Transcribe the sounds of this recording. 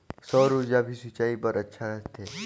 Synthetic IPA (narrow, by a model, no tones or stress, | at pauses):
sɔɾud͡ʒabʱisɪt͡ʃaːipəɾʔətːʃʰaɾəst̪ʰe